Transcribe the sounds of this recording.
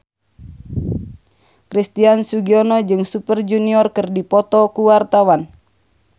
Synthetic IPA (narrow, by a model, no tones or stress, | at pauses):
kɾist̪iansuɡiɔnɔd͡ʒɨŋsupərd͡ʒuniɔrkərdipɔt̪ɔkuwart̪awan